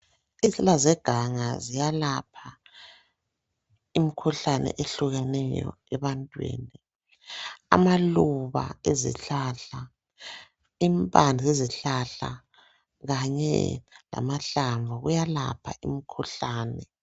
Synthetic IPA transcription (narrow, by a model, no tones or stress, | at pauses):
izɛlazɛɡ̥ʱaŋazijalapʰa | imikʰuɬanɛ̰ʔeɬuɣɛnɛjɔ̰ | ɛβantʼwḛːni | a̰maluβa̰ezḭɬaɬa | impʼand͡ɮʱieziɬaɬa̰ | ɣaɲɛ̰la̰maɬaɱvʱaɣujala̰pʰaimikʰuɬaːnɛ